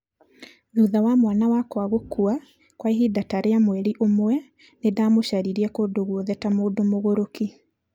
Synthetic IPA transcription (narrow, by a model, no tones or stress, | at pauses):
ðuːðawamwanawakwaɣokua | kwaiɦidataɾeamwɛɾiʔomwɛ | nedamoʃaɾiɾiɛkodoɣwɔðɛtamoːdomoɣoɾoki